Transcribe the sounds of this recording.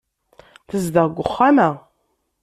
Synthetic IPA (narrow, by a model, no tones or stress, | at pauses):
θəzd̪əʁɡʷʊχːamæ